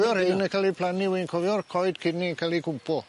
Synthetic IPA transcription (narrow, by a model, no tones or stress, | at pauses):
jɔɾhejnəkʰalipʰlˠaniwinkʰɔvjɔrkʰɔjd̥kʰɪniəkʰalikʰʊmpʰɔ